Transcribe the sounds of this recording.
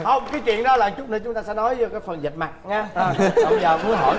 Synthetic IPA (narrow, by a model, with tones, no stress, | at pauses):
hə˧wŋ͡mkaː˨˦jt͡ɕwḭ˧˨ənɗɔ˨˦laː˨˩t͡ɕʊ˦˥k͡p̚nə˧˩t͡ɕʊ˨˦ŋ͡mt̪aː˧sɛ̰˧˥nɔ˨˦jzə˧kaː˨˦jfə˨˩nzə˨˩t̚ma˨˩t̚ɲɛː˨˧˩ɔ˧˩˧jzəː˨˩mu˨˦ənhɔ̰˧˩